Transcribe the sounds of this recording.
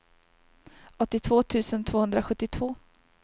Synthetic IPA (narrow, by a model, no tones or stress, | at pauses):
ʔɔt̪ːɪt̪ʰvoːt̪ʰʉ̟ːsənt̪ʰvoːhɵnd̪ɾaɧɵt̪ːɪt̪ʰv̥oː